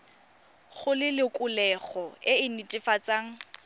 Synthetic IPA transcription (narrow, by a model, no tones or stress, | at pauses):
χʊlɪlɪkʼʊlɛχɔɪɪnitʼɪfat͡sʼaːŋ̩